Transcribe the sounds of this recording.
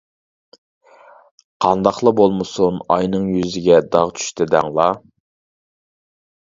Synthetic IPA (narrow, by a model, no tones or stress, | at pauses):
qʰɑnd̪ɑχlˠəbolˠmɨsunɑjnɨŋjyzɪɡʲɛd̪ɑʁt͡ʃʰy̥ʃt̪ɪd̪ɛ̰ŋlˠɑ